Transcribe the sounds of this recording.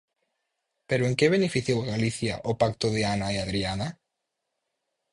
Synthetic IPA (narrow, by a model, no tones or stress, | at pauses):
peɾoeŋkeβ̞enefiθjowaɣaliθja̰ʔopakt̪oðeanaiaðɾiana